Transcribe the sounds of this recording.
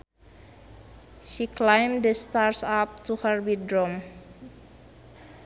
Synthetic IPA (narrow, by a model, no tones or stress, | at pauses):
ʃiklajmdəst̪aɹsap̚tuhərwidɾɔm